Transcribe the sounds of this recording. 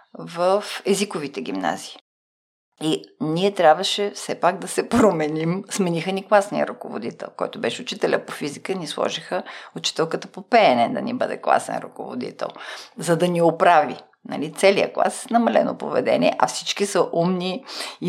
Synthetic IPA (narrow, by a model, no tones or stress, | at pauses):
vəfɛzikovit̪ɛɡ̟ʲimna̰ziː | iniɛt̪ɾʲjabvəʃɛfsɛpaɡd̪ɐsɛpɾomɛnimsmɛnixəniklˠasniə̰ɾɐkovo̰d̪it̪ɛ̰lˠkɔ̰jt̪obɛʃɛʊt͡ʃit̪ɛlʲəpofizikənislˠɔ̰ʒixəʊt͡ʃi̥t̪ɛlˠkət̪əpopɛnɛd̪ɐ̰nḭbə̰d̪ɛ̰klˠa̰sɛ̰nɾuko̰vo̰d̪ḭt̪ɛ̰lˠzɐd̪ɐniopɾavi | nɐ̰lit̪sɛliə̰klˠa̰snɐmɐlɛ̰no̰po̰vɛ̰d̪ɛ̰niɛ̰ʔɐfsit͡ʃkisɐʔumni